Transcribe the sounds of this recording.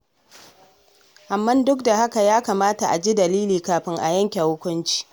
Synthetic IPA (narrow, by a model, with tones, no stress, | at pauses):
ʔa˨mːɐ˦ndʊ˦k̚da˨ha˦ka˨jaː˦kaː˨maː˦ta˨ʔa˨d͡ʒi˦dɐ˨liː˦liː˨kaː˨ɸɪ˦ŋʔa̰˨jɐ˦ŋkʲa˨hʊ˦kʷʊ˦nt͡ʃi̥ː˦